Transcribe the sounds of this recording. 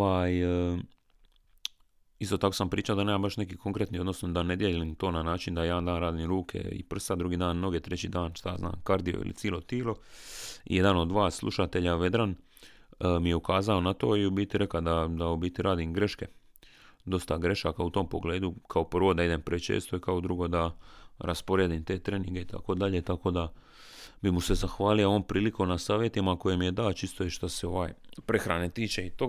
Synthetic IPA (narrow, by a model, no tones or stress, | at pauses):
aj | ist̪o̞t̪ako̞sampɾiːt͡ʃaod̪aneːmambaʃne̞kikʰo̞ŋkɾet̪nio̞d̪no̞snod̪ane̞d̪jelimt̪o̞ːnanaːt͡ʃind̪ajed̪and̪aːnɾaːd̪imɾuːkʰḛḭpr̩st̪ad̪ɾuɡiːd̪aːnːo̞ɡet̪ɾet͡ɕiːd̪aːnʃt̪azna̰ːmkaɾd̪ijo̰ḭlḭt̪siːlo̞t̪iːlo̞ | ḭje̞d̪ano̞d̪ʋaːsslˠṵʃat̪e̞ʎaʋe̞d̪ɾan | mijeukaːzao̞nat̪o̞ːiubiːt̪iɾʔe̞kad̪ad̪aobit̪iɾaːd̪imɡɾe̞ʃke̞ | d̪o̞st̪aɡɾe̞ʃakaut̪o̞ːmpo̞ɡle̞ːd̪ukʰao̞pr̩ʋo̞d̪aid̪e̞mpɾet͡ʃḛːst̪o̞ikaod̪ɾuɡo̞d̪aɾʔaspo̞ɾjed̪imt̪e̞ːt̪ɾeːniŋɡe̞it̪ʰa̰ko̞d̪aʎe̞t̪ako̞d̪a | bimuse̞zaxʋaːlijooːmpɾiːliko̞nasaːʋjet̪imako̞jemije̞d̪aːt͡ʃist̪ojeʃt̪aseo̞ʋaːjpɾe̞xɾaːnet̪iːt͡ʃe̞it̪o